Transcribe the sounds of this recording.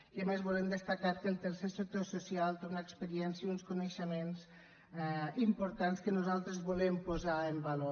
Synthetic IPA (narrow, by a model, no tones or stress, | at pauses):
kəmezβolemd̪əst̪akaɾkəlˠt̪əɾsesək̚t̪osusialˠt̪eunaekspəɾiɛnsjəunskunəʃəmenz | ɛimpoɾt̪anskənuzalˠt̪ɾəzβolempozaəmbalo